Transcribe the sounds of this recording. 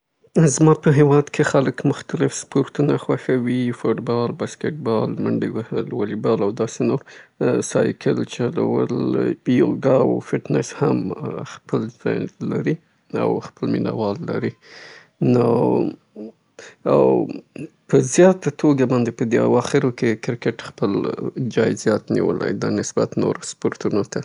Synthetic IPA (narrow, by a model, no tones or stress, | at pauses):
zmɑpəɦewɑd̪kʰexaləkmʊxt̪alɪfspoɾt̪unaxwaxawifoʈbɑlbaskeʈ̚bɑlməɳɖiwlwalibɑlawd̪ɑsenoɾsɑjkʰəlt͡ʃala̰wə̰ljoɡɑwfɪʈnɪshamxpəlzɑ̰jlaɾi | a̰wxpəlmina̰wɑlːa̰ɾi | no | aw | pəzjɑt̪at̪ʰoɡabɑnd̪epəd̪ea̰wɑxɪɾwokekɪɾkeʈxpəld͡ʒɑjzjɑt̪nḭwə̰la̰jd̪ɑnɪsbat̪no̰ɾospoɾt̪unot̪a